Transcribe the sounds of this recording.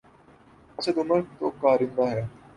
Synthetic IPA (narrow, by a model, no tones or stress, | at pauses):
ɐsed̪ʊməɾkt̪oːkaːɾɪ̃nd̪aːɦɛː